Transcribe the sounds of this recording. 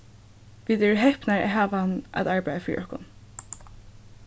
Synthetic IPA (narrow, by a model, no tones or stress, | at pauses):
viːd̪ɛɹəɦɛhpnaɹa̰ɦaːʋana̰t̪aɹbajðafiːɾḭʔɔhkʊ̰n